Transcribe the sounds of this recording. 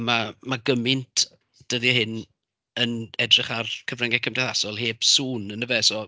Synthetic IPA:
mamaɡəmɪntʰ | d̥əðihɪn | ənɛdrɪχarkʰəvrɛŋɛkʰəmdɛθasɔlˠheːb̥suːnənəvɛsɔ

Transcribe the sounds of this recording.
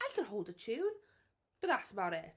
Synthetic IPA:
aɪkʰə̃nɦoʊlˠdət͡ʃʰʉ̃ːn | b̥ʌʔðatsəbaʊɾɪt

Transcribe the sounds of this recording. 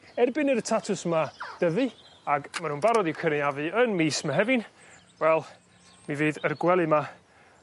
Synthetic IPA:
ɛrbɨnəɾətʰatʰʊsmad̥əvɨ | aɡmanũːnbaɾɔdiwkʰəniavɨənmiːsmaɦɛvɨn | wɛlˠ | miviːðərɡwɛlˠɨma

